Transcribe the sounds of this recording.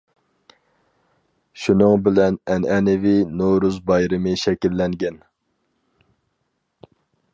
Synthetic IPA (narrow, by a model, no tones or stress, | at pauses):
ʃunɨŋbɪlɛnɛnɛnɪvinoɾuzbɑjɾɨmɨʃɛkʲilːɛŋɡʲɛn